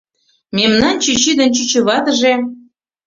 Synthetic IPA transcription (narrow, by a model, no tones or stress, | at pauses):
memnɑnt͡ɕyt͡ɕid̪ə̆nt͡ɕyt͡ɕə̆βɑt̪ə̆ʒe